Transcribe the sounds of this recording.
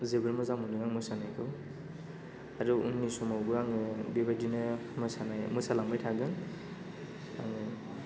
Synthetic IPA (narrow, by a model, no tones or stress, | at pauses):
zebɯɾmɯzamuniɡaŋmɔjsanajkʰɯw | aɾuunːisɔmawɡɯaŋɯbibadinɯmɔjsanajmɔjsalaŋmbɯjtʰaɡɯn | a̰ŋɯ